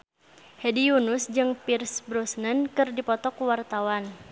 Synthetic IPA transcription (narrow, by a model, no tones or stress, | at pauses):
hɛdijunusd͡ʒɨŋpirsbɾɔsnənkɨrdipɔt̪ɔkuwart̪awan